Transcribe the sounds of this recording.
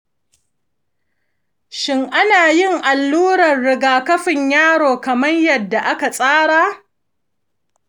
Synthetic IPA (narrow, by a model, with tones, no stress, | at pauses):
ʃɪ˦ŋʔa˦naː˨jɪ˦˨ŋʔa˨lːuː˦ɽɐ˨rɽɪ˦ɡaː˨kɐ˦ɸɪ˨ɲjaː˦ɽoː˨kɐ˨mɐ˦ɲjɐ˨dːa˨ʔa˦ka˨sʼaː˦ɽaː˦